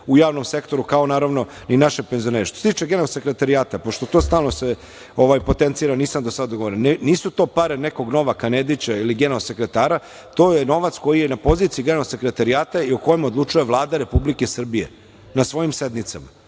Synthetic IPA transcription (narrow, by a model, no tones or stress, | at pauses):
ujaːʋno̞mse̞kt̪o̞ɾukaonaːɾaʋno̞ninaʃepenzio̞neɾeʃt̪oset̪iːt͡ʃeɡenelse̞kɾet̪aɾijaːt̪apo̞ʃt̪o̞t̪o̞ːst̪aːlˠnose | o̞ʋajpo̞t̪ent̪siːɾaniːsamd̪osad̪d̪oɡo̞ʋoɾinnniːsut̪o̞ːpaɾene̞ko̞ɡno̞ʋakaned̪it͡ɕailiɡenelse̞kɾe̞t̪aːɾa | t̪o̞ːjeno̞ʋat̪sko̞jijenapo̞ziːt̪sijiɡenlse̞kɾe̞t̪aɾiaːt̪aiuko̞jemod̪lˠut͡ʂujeʋlˠaːd̪aɾe̞publikesr̩bijḛ | nasʋo̞jimsed̪nit̪sama̰